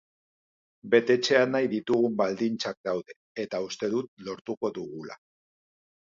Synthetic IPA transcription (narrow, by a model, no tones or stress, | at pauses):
be̞t̪e̞t͡se̞anajðit̪uɣumbald̪int͡sak̚d̪awðe̞ | et̪aust̪e̞ðut̪̚lo̞ɾt̪uko̞ðuɣula̰